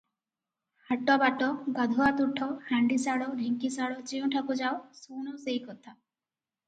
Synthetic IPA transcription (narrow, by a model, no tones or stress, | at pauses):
haʈɔbaʈɔɡad̪ʱɔat̪uʈʰːɔhaɳɖisaɽɔɾʱiŋkisaɽɔt͡ʃiũʈʰakud͡ʒawsunɔseikɔt̪ʰa